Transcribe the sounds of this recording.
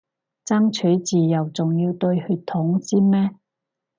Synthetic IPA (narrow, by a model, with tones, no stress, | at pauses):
t͡sɐ˥ŋt͡ʃʰɵ˨˥jt͡siː˨jɐ˨wt͡sʊ˨ŋjiː˧wt̪ɵ˧ɥhyː˧tt̪ʰʊ˨˥ŋt͡siː˥mɛː˥